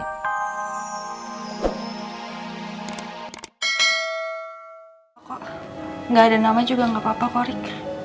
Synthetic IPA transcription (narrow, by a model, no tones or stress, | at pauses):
kɔ | ŋɡaːdanamad͡ʒuɡaŋɡapapapɔɾɪk